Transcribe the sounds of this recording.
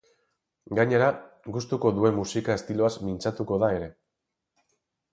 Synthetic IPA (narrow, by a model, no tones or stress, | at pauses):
ɡaɲe̞ɾa | ɡust̪uko̞ðue̞mːusikae̞st̪ilo̞azmint͡sat̪uko̞ð̞ae̞ɾe̞